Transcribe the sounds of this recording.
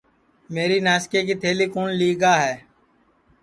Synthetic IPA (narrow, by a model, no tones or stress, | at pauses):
meːɾiːnaːskeːkiːt̪ʰeːliːkoːnliːɡaːɦɛː